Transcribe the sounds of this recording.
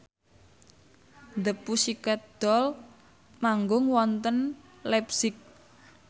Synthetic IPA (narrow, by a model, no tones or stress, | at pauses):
nd̪əpusikɛt̪̚d̪̥ɔl | maŋɡʊŋwɔnt̪ən | lɛpsɪk̚